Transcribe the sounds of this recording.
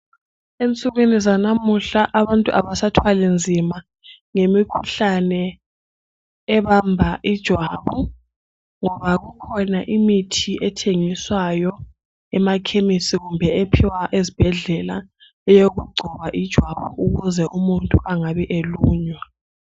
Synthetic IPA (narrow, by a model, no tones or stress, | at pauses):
ent͡sʼuɣenizanamuɬaʔaβantʼuʔaβasatʰwalɛnd͡zʱima | ŋemikʰuɬanɛ | βambʱaʔid̥ʒ̥ʱwaːβu | ŋɔβaɣukʰɔnaʔimitʰiʔɛtʰeŋiswajɔ | ɛmakʰemisiɣumbʱɛepʰiwaʔezib̥ʱɛɮɛla̰ | ɛjoɣuɡ͡ǀʱɔβaʔid̥ʒ̥ʱwaβɔuɣuzɛʔumuntʼuʔaŋaβɛʔeluːɲwa